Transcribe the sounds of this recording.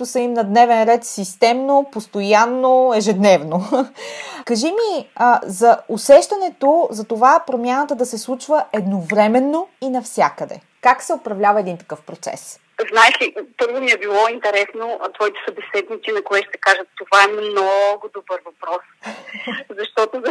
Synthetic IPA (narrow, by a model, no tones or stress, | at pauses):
ʊsəimnɐd̪nɛvɛnɾɛt̪sist̪ɛmnopost̪ojanːoɛʒɛd̪nɛvno | kɐʒimiəzɐosɛʃt̪ɐnɛt̪ozɐt̪ovapɾomʲjanət̪əd̪ɐsɛslˠut͡ʃvəʔɛd̪novɾɛmɛnːoinɐfsʲjakəd̪ɛ̰ | kaksɛopɾɐvlʲavɐɛd̪int̪ɐ̥kɤfpɾot̪sɛ̰s | znaɛʃlipɤɾvʊmiɛbilˠɔint̪ɛɾɛsnot̪vɔit̪ɛ̥sɐbɛsɛd̪nit̪sinɐkoɛʃt̪ɛkaʒət̪t̪ːovaɛmnɔɡʊd̪obɤɾvɐpɾɔs | zɐʃt̪ɔt̪o